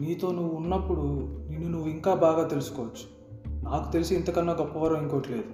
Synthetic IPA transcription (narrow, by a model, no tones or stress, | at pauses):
niːt̪o̞ːnuʋuːnːɐpːuɽuninːunuʋːuiŋkaːbaːɡaːt̪e̞lusu̥kɔːʋɐt͡ʃːu̥ | naːku̥t̪e̞lisiint̪ɐkɐnːaːɡopːɐʋɐɾɐmiŋkoːʈle̞ːd̪u